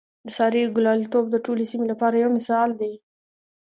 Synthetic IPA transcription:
d̪əsɑɾiɡʊlɑlit̪obd̪əʈolesimelapɑɾajawmɪsɑld̪e

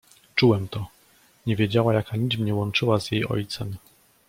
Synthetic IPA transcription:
t͡ʂuwɛmt̪ɔ | ɲɛvʲjed͡ʑawajakaɲit͡ɕmɲɛwɔnt͡ʂɘwazjejʔɔ̰jt̪sɛm

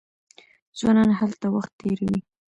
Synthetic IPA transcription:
zwanɑnɦalt̪awaxt̪ːeɾawi

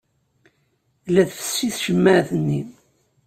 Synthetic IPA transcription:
læðfə̥sːiθʒəmːæθənːi

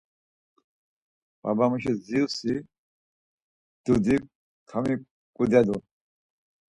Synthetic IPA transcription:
ba̰bamuʃɛzisi | d̪̥ud̪i | kʰami | kʼud̪ad̪u

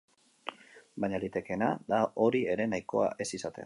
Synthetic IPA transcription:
baɲalit̪e̞ke̞nad̪ao̞ɾie̞ɾe̞najko̞̰a̰ʔe̞sisat̪e̞̰n

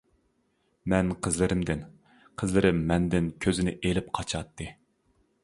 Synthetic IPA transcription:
mɛnqʰəzlɪɾɪmd̪ɪn | qʰəzlɪɾɪmːɛnd̪ɪnkʲʰøzɪnɪʔelɪp̚qʰɑt͡ʃʰɑt̪ʰːɨ

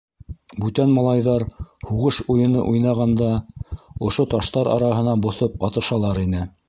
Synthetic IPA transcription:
bʉt̪ænmɑlˠɑjðɑɾhuʁɤʃujɤ̆nɤ̰ʔujnɑʁɑnd̪ɑ | ŏʃot̪ɑʃt̪ɑɾɑ̰ɾɑɦɤ̆nɑbŏθop̚ɑt̪ɤ̆ʃɑlˠɑɾinɘ

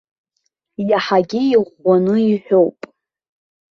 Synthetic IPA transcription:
jaħaɡʲiiʁʷanɨiħʷᶣowpʼ

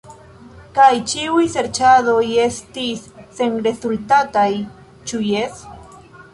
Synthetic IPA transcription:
kajt͡ʃiujseɾt͡ʃadojest̪isːeŋɾe̞sult̪at̪aj | t͡ʃujes

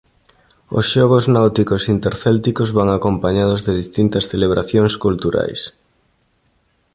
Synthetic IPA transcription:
o̰sʃɔɣ̞oznawt̪ikosint̪eɾθɛlt̪ikozβaŋakompaɲað̞ozðeðist̪int̪ɐsθeleβ̞ɾʔaθjoŋskult̪uɾa̰js

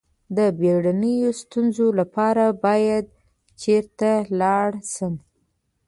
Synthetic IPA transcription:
d̪əbeɽanəjost̪unzolapɑɾabɑjad̪̚ | t͡ʃeɾt̪alɑɽsəm

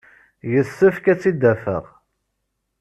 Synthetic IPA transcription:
jəsːəfkæt͡sːid̪ːæfə̰ʁ

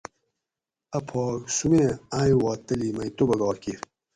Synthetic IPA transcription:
ɐpʰɔːksumeaːjwɑːt̪ːɐliːmɐjt̪obɐɡɑːkiɾ

